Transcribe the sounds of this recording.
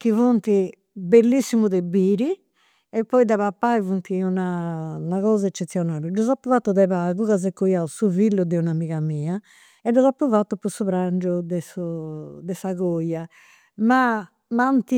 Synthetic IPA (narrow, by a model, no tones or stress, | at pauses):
k̟ivont̪i | belːisːimuðebːiːɾi | ɛpːɔid̪aβapːaivunt̪iunanaɣɔːzaɛt͡ʃːet̪sːjɔnaːɾɛd͡ʒuzapːuvat̪ːuðɛβaɣuɣaz̬ɛkːujausuvilːud̪ɛunamiɣamiːa | ɛd͡ʒɔzapːuvat̪ːupusuβɾaɳd͡ʒud̪ɛsud̪ɛsaɣoja | ma | mant̪i